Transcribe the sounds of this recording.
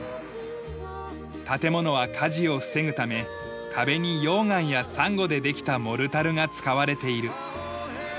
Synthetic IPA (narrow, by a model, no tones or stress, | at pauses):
t̪at̪e̞mo̞no̞β̞akʰaʑio̞ɸɯ̟̥se̞ŋɯ̟t̪ame̞ | t̪ʰabe̞ɲ̟ijo̞ːŋãɰ̃jasãŋɡo̞d̪e̞d̪e̞kʲi̥t̪amo̞ɾɯ̟t̪aɾɯ̟ŋat͡sɨ̥kaβaɾe̞t̪e̞iɾɯ̟